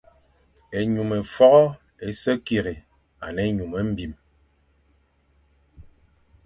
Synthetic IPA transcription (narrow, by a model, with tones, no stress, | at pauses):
e˨ɲu˨me˨fɔ˦ɣɔ˦ | e˨sə˦ki˨ɣi˨ | a̰˨ne˦ɲu˨me˦m̩˦bi˨m